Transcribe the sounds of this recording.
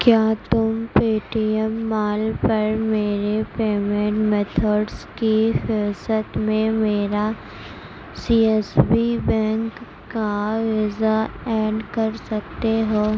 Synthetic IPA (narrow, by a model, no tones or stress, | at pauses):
kjaːt̪ʊmpiːʈiɛmːaːlpɐɾmeːɾepeːmɛ̃ʈmeːt̪ʰəɖskixɪsət̪mẽmeːɾa | siːɛsbibɛ̃ːŋkː | aʋɪzaɛːɖkɐɾsɐk̚t̪eɦoː